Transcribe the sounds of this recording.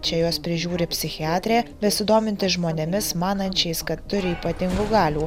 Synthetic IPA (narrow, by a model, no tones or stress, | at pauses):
t͡ʃʲɛjoːspʲɾʲɪʒʲuːɾʲɪpʲsʲɪxʲɪɑːt̪ʲɾʲeːbʲɛsʲɪd̪oːmʲɪnʲt̪ʲɪsʒmoːnʲɛmʲɪsmɑːnɐnʲt͡ʃʲɛɪskɐt̪ːʊɾʲɪiːpɐt̪ʲɪŋɡʊɡɑːlʲuː